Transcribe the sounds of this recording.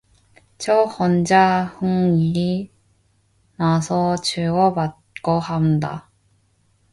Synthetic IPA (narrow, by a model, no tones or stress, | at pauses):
t͡ɕʌxʌnd͡ʑahɯŋii | nasʰʌt͡ɕɯɡʌpat̚k͈ʌhanda̰